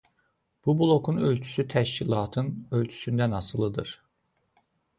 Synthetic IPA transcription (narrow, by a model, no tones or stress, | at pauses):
b̥ubulˠo̞kʰunø̞lʲt͡ʃʰy̥syt̪ʰæʃcilˠɑːt̪ʰɯnø̞lt͡ʃʰy̥synd̪ænɑsɯlˠɯd̪ɯɾ